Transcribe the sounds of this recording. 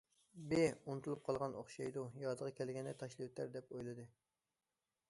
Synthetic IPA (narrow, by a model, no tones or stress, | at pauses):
beunɨt̪ulˠup̚qʰɑlˠʁɑnʔo̰χʃɑjd̪ujɑːd̪əʁɑkʲʰɛlɡʲɛnd̪ɛt̪ʰɑʃlˠɨwut̪æɾd̪ɛpojlˠɨd̪ɨ